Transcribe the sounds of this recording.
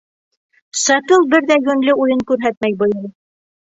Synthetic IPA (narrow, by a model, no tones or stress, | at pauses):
sɑt̪ɤlˠbɘɾðæɡɵ̆nlɘujɤŋkʉɾɦæt̪mæjbɤ̆j̪ˠɤ